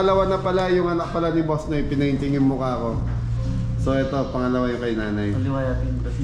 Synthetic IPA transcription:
ɐlɐwanɐpɐlajʊŋɐnɐk̚pɐlanɪbosnɐɪpɪnɐhɪnt̪ɪŋɪnmʊkɐɐko̞ | so̞ʔɛt̪o̞pɐŋɐlɐwajʊŋkɐjnaːnɐjɐlɪwajat̪ɪnɐ

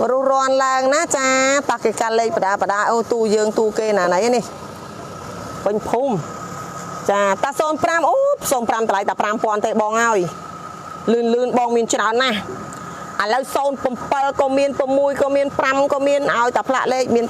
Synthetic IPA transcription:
rʊəhrŏənlaəŋnat͡ɕaːt̪akeːkaleːk̚pəɗaːpəɗaːʔoːt̪uːjəːŋt̪uːkeːnaːnəjnih | pɨɲpʰuːm | t͡ɕaːt̪aːsoːnpramʔoːp̚soːnpramt̪əlajt̪aprampŏənt̪eːɓɑːŋʔaɔj | lɨːnlɨːnɓɑːŋmiənt͡ɕraɔnːah | ʔəələwsoːnpəmpəlkɔːmiənpɨmːuəjkɔːmiənpramkɔːmiənʔaɔjt̪apʰla̰ʔleːk̚miən

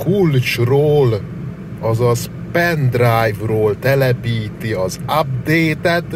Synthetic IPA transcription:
kult͡ʃroːl | ɒzɒs | pɛnd̪rajvroːlt̪ɛlɛpiːt̪iɒzab̚d̪eːt̪ɛt̪

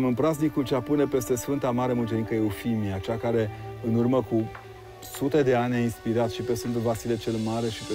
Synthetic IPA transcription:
mɨnpɾaznikult͡ʃeapune̞pe̞st̪e̞sfɨnt̪amaɾemunt͡ʃeikəeufimiat͡ʃakaɾe̞ɨnurməku | sut̪e̞d̪e̞anʲainspiɾat̪ʃipe̞sfɨnt̪ulvasilet͡ʃe̞lmaɾe̞ʃip

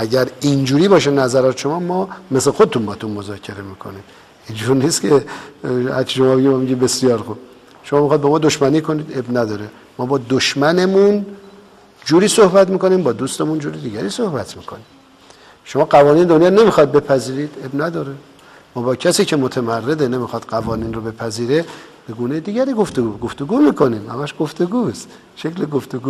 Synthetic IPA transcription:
ʔæɟæɾind͡ʒuːɾiːbɒːʃenæzæɾɒːt̪eʃo̞mɒːmɒːmeslexod̪et̪ʰunbɒːt̪ʰunmozɒːcʰe̞ɾe̞miːkʰo̰ni | ind͡ʒuɾniːst̪kʰe̞ | hæɾt͡ʃʰiʃo̞mɒːbeɟimɒmiɟibe̞sijɒːɾxub̚ | ʃomɒːmixɑjd̪bɒːmɒːd̪oʃmæniːkʰo̞niːd̪ebnæd̪ɒːɾe | mɒːbɒːd̪oʃmænemun | d͡ʒuːɾiːsohbæt̪miːko̞niːmbɒːd̪uːst̪emund͡ʒuːɾed̪iːɟæɾiːsohbæt̪ʰmiːkʰo̰nim | ʃo̞mɒːɡævɒːniːned̪onjɒːɾne̞mixɒd̪̚be̞pʰæziːɾiːd̪e̞bnæd̪ɒːɾe | mɒːbɒːcʰæsiːcʰe̞mot̪ʰemærːed̪ene̞mixɒːd̪̥ɢævɒːniːnɾobe̞pʰæziːɾeb̥e̞ɡuːnejed̪iːɟæɾiːɡoft̪eɡuɡoft̪o̞ɡuːmiːkʰo̞niːmhæ̰mæʃɡ̥oft̪eɡuːst̪ | ʃecleɡoft̪eɡuː

